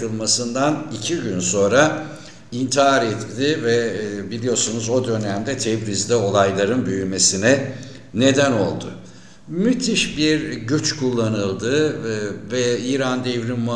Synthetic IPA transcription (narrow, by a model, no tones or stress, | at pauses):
ɯlˠmasɯnd̪anicʰiɟynso̞nɾa | int̪ʰiɦaɾɛt̪ːɪvɛbilʲijo̞sunuzo̞d̪ø̞næmd̪ɛt̪ʰɛbɾizd̪ʲɛo̞lˠajlˠaɾɯnbyjyme̞sinɛ | ne̞d̪æno̞lˠd̪ʊ | myt̪ʰiʃbiɾɟyt͡ʃkʰulˠːanɯlˠd̪ɯ | vɛiːɾand̪evɾinma